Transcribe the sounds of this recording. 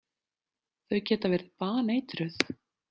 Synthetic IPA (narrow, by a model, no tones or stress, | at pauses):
θœɥcɛːt̪avɛːɾɪðpaːneːjt̪ɾʏθ